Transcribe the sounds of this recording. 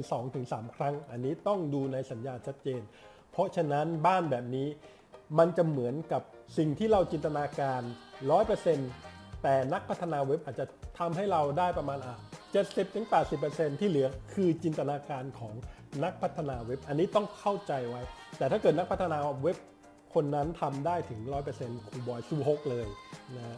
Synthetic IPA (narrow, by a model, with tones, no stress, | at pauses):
sɔː˩˦ŋt̪ʰɯ˩˦ŋsaː˩˦mkʰɾa˦˥ŋʔa˧nːiː˦˥t̪ɔ˥˩ŋduː˧na˧jsa˩˦njaː˧t͡ɕʰa˦˥t̪̚t͡ɕeː˧n | pʰɔ˦˥t͡ɕʰa˧na˦˥nbaː˥˩nbɛː˨˩p̚niː˦˥ | ma˧nt͡ɕa˨˩mɯ˩˦ənka˨˩p̚si˨˩ŋt̪ʰiː˥˩ɾa˧wt͡ɕi˧nt̪a˧naː˧kaː˧nɾɔː˦˥jpɤ˧se˧nt̪ɛː˨˩na˦˥k̚pʰa˦˥t̪ʰːa˧naː˧we˦˥p̚ʔaː˨˩t̪̚t͡ɕa˨˩t̪ʰa˧mɦa˥˩jɾa˧wdaː˥˩jpɾa˧maː˧nʔa˧˩t͡ɕe˨˩t̪̚si˨˩p̚t̪ʰɯ˩˦ŋpɛː˨˩t̪̚si˨˩pːə˧se˧nt̪ʰiː˥˩lɯ˩˦ɐkʰɯː˧t͡ɕi˧nt̪a˧naː˧kaː˧nkʰɔː˩˦ŋ | na˦˥k̚pʰa˦˥t̪ʰːa˧naː˧we˦˥p̚ʔa˧nːiː˦˥t̪ɔ˥˩ŋkʰa˥˩wt͡ɕa˧jwa˦˥jt̪ɛː˨˩t̪ʰaː˥˩kɤː˨˩t̪̚na˦˥kpʰa˦˥t̪ʰːnaː˧we˦˥p̚ | kʰo˧nːa˦˥nt̪ʰa˧mdaː˥˩jt̪ʰɯ˩˦ŋɾɔː˦˥jpɤː˧se˧nkʰuː˧bɔː˧jsuː˧ɦo˦˥k̚lɤː˧jna˦˥